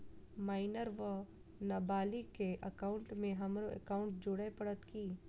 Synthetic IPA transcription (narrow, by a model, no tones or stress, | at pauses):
maːɪnəɾʋə | nɐbaːlikeʔəkaːʊɳʈmẽɦɐmɾoə̰kaːʊɳʈ̚d͡ʒʊɽepəɽət̪kiː